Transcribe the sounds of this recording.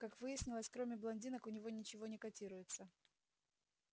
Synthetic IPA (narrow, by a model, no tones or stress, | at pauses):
kakvɨjɪsʲnʲɪlˠəsʲkɾo̞mʲɪblˠɐnʲdʲinəkʊnʲɪvo̞nʲɪt͡ɕɪvo̞nʲɪkɐtʲiɾʊjɪt̪sə